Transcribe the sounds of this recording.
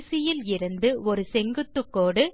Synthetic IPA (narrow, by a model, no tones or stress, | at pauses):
sɪjɪlɪɾɯnd̪ɯɔɾɯsɛŋɡɯt̪ːɯkːoːɽɯ